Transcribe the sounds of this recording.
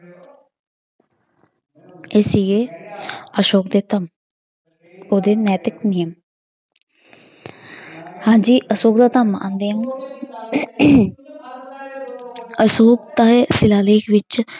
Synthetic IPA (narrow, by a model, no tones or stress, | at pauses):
esieː | əʃoːkd̪eːt̪əm | oːd̪eːnɛːt̪ɪknijəm | hãːd͡ʒiːʔəsoːk̚d̪aːt̪əmã̰nd̪iːəm | əsoːk̚t̪aːeːsɪlaːleːkʰʋɪt͡ʃ